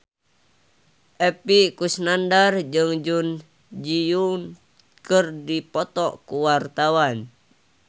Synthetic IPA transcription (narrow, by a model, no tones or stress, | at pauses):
ʔɛpiʔkusnandard͡ʒɨŋd͡ʒun | d͡ʒijuŋ | kərdipɔt̪ɔʔkuwart̪awan